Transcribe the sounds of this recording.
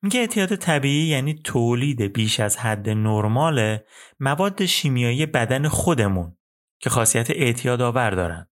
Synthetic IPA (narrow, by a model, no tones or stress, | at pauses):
miɟeeʔt̪ʰijɒːd̪e̞t̪ʰæbiːʔiːjæːniːt̪ʰoːliːd̪e̞biːʃæzhæd̪ːe̞noɾmɒːlemævɒːd̪ːe̞ʃiːmijɒːiːjebæd̪æne̞xo̞d̪e̞mun | cʰe̞xɒːsijæt̪ʰeʔeʔt̪ʰijɒːd̪ɒːvæɾd̪ɒ̰ːɾæ̰nd̪̥